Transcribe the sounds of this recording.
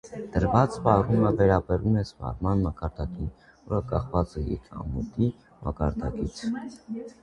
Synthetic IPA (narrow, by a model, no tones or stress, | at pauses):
d̪̥əɾvɑt͡spɑruməvɛɾɑbɛɾumɛspɑ̰ɾmɑnmɑkɑɾd̪ɑkin | vɔ̰ɾəkɑχvɑt͡sɛḭɾɑ̰mut̪i | mʔɑ̰kɑɾd̪ɑ̰kit͡sʰ